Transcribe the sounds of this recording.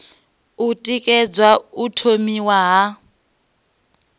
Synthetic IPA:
utʼikʼɛd͡zwautʰomiwaɦa

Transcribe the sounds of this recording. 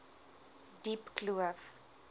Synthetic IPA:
dipkluəf

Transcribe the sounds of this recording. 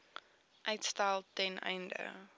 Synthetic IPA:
ʔeɪtstaɪlˠtɛ̃nã̰ɪndə̰

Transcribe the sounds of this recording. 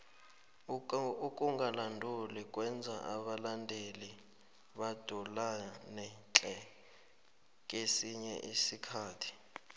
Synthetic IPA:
ukʼuŋɡʱalandʱulik̬ʼwɛnd͡zʱa̰ʔaɓalandʱeli | ɓad̥ʱulanɛt͡ɬʼɛ | k̬ʼesiɲɛ̰ʔisikʰaːtʰi̥

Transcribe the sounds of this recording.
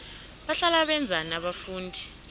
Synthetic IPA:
ɓaɬalaɓɛnd͡zʱanaɓafuːndʱi

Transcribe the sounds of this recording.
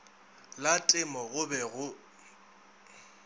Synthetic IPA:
latʼɪmɔɣʊbɛɣʊ

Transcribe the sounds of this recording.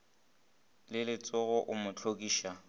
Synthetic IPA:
lɪlɪt͡sʼɔɣʊʔʊmʊt͡ɬʰokʼiːʃa

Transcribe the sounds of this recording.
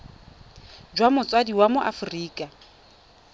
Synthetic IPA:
d͡ʒwamʊt͡sʼwadiwamʊʔa̰fʊriːkʼa

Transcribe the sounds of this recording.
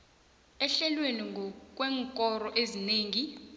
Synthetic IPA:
ɛɬɛlweniŋɡʱɔk̬ʼwɛːŋkʼɔrɔʔezineːŋi

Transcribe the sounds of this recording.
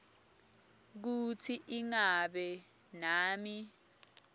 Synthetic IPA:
k̬utʰiʔiŋaɓɛ | naːmi

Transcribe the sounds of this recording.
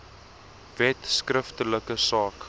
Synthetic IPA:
vɛtskrəftələkəsɑːk

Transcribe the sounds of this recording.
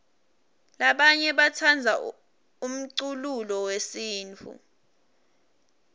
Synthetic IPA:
laɓaɲɛɓatʰand͡zʱa | um̩ǀululɔwesiːnt͡fʰṵ

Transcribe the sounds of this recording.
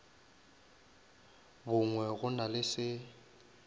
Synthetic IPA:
bʊŋwɛɣʊnalɪsɪ

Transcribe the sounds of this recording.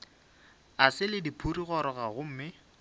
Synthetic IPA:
asɪlɪdipʰuriɣɔɾɔɣaɣʊm̩ːmɪ

